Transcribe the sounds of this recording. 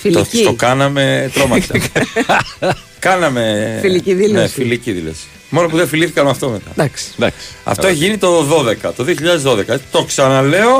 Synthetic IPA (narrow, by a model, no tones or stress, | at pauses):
filokɐnɐmet̪ɾomɐsɐ̰ | kɐnɐme̞filiiðinefiliciðilo̞̰si̥ | mo̞nopuðeɱfiliθikɐnmɐft̪omet̪ɐ̰d̪ɐksd̪ɐsɐ̰ft̪oeʝinit̪o̞ðo̞ðe̞kɐt̪o̞ðioçiʎɐðe̞zðo̞ðe̞kɐet͡si̥t̪o̞ksɐnɐle̞o̞